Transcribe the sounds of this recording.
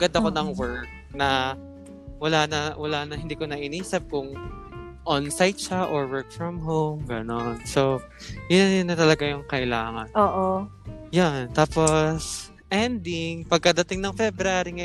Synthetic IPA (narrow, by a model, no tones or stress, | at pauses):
ɡɐnd̪ɐkonɐŋwɛɹk̚nɐ | wɐlanɐwɐlaːnɐhɪnd̪iːkonɐʔɪniːsɐp̚kʊŋ | ʔɔnsajt̪̚ʃaʔoɹwɛɹk̚fɹɐmɦowmɡɐnonso | jʊnjʊnːɐt̪ɐlɐɡajʊŋkɐʔɪlaːŋɐnoːʔojant̪aːpos | ʔɛnd̪ɪŋpɐɡ̚kɐd̪ɐt̪ɪŋnɐŋfɛbɾaːɾiŋɐj